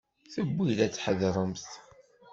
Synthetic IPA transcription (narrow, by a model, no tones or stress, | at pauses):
θəbːiðæt͡sːħəðɾˤəmθt